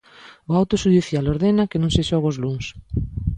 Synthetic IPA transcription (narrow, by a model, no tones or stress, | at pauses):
ʊawt̪ʊʃuðiθjaloɾðenɐkɪnõŋseʃɔɣʊzluŋs